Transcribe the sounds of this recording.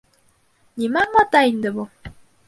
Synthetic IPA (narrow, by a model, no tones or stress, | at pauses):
nʲimæmɑt̪ɑind̪ɘ̆bu